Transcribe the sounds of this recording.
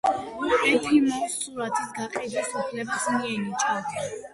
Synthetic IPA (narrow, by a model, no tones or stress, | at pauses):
ɛpʰimɔstʰʼuɾat̪ʰisɡaqʼid̪asupʰlɛbasmiɛnit͡ʃʼad̪